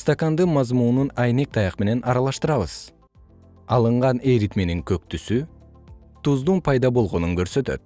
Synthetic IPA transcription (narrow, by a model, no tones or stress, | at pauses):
st̪akand̪ɯmɑzmununɑjne̞k̚t̪ʰɑjɑqme̞ne̞nʔɑɾɑlˠɑʃt̪ɯɾɑβɯz̥ | ɑlˠɯɴʁɑne̞ɾit̪meniŋkøk̚t̪ysy | t̪uzd̪unpʰɑjd̪ɑbo̞lˠʁo̞nuŋkøɾsø̞t̪ø̞̰t̪̚